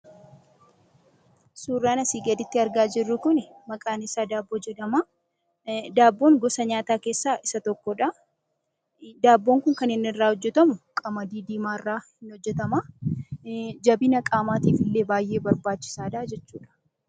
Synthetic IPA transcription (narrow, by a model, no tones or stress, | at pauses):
suːrːaːnɐsiːɡɐd̪ɪt̪ːɪɐɾɡaːd͡ʒɪrːʊkʊnmɐkʼaːnɪsaːd̪aːbːoːd͡ʒɛᶑ̪ɐmaː | d̪aːbːo̞ːŋɡɔsɐɲaːt̪aːkeːsːaːʔɪsɐt̪ɔkːɔᶑa | d̪aːbːoːŋkʊŋkɐnɪnːɪrːaːhɔd͡ʒːɛt̪ɐmʊkʼɐmɐd̪iːd̪iːmaːɪrːaːhhɪnɔd͡ʒːɛt̪ɐmaː | d͡ʒɐbɪnɐkʼaːmaːt̪iːfɪlːe̞ːbaːjːʔe̞ːbɐɾbaːt͡ʃːɪ̥saːᶑaːd͡ʒɛt͡ʃːuːᶑɐ̥